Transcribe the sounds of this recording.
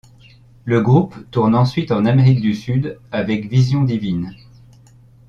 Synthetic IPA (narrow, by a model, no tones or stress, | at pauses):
ləɡʁupt̪uʁnɑ̃sɥit̪ɑ̃nameʁik̚d̪ysyd̪avɛkvizjɔ̃d̪ivin